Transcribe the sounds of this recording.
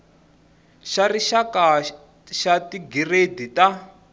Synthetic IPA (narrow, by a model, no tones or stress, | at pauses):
ʃariʃaka | ʃatiɡiredita